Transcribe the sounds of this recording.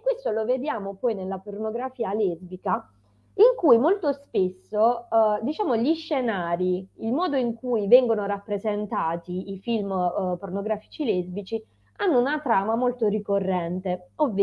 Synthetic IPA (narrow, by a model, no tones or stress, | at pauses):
kːwest̪oloved̪jaːmopɔːjnelːapornoɡɾafiːalɛzbika | iŋkujmolt̪ospesːod̪it͡ʃaːmoʎiʃːenaːɾiilmɔːd̪oiŋkujvɛŋɡonoɾapːɾezent̪aːt̪iifilmpornoɡɾaːfi̥t͡ʃilɛzbit͡ʃi | anːounat̪ɾaːmamolt̪oɾikorːɛnt̪eovː